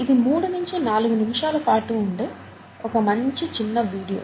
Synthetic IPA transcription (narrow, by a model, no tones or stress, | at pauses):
id̪imuːɽunuɲt͡ʃinaːluɡunimiʂaːlɐpaːʈuːɳɖe | ɔkɐmɐɲt͡ʃit͡ʃinːɐʋiːɽijo̰ː